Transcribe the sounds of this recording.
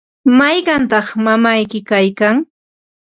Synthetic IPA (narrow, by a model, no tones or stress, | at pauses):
majɢɑnt̪ɑχmamajkɪkajkaŋ